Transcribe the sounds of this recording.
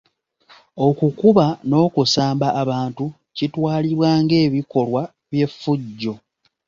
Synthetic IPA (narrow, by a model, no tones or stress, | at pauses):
o̞kukuβano̞ːkusaːmbaʔːβaːntu | citwaːliβwaːŋɡe̞ːβiko̞lwa | βje̞fːuɟːo̞